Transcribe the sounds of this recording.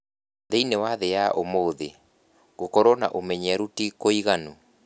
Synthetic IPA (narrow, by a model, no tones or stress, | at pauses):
ðeinewaðejaʔomoðe | ɣokɔɾɔna̰ʔomɛɲɛɾutikoiɣanu